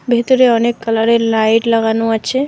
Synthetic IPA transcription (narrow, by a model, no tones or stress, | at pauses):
bʱet̪uɾeɔnekːələɾelajʈləɡanuət͡ʃʰe